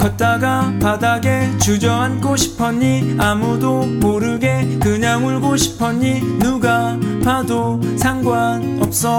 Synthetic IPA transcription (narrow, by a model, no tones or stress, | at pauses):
kʌt͈aɡapadaɡe̞t͡ɕud͡ʑʌɦankʰoɕʰi̥pʰʌɲiamudomoɾɯɡe̞kɯɲaŋuɭɡoɕʰi̥pʰʌɲi | nuɡapado | sʰaŋɡwan | ʌp̚s͈ʌ